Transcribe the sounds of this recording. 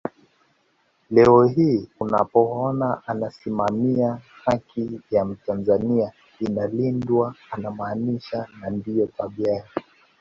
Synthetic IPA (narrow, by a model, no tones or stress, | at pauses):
lɛɔɦiːuna̰pɔɔnaʔanasimamiahakʰijam̩tanzania | inalindwaanamaːniʃanandijɔtaɓjaja